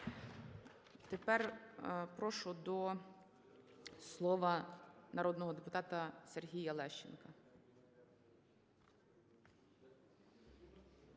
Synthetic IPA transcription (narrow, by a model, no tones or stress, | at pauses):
t̪epɛrpɾɔʃɔd̪ɔ | slˠɔʋɐnɐɾɔd̪nɔɦɔd̪epʊt̪ɑt̪ɐsʲerɦʲijɐlˠɛʃt͡ʃḛnkɐ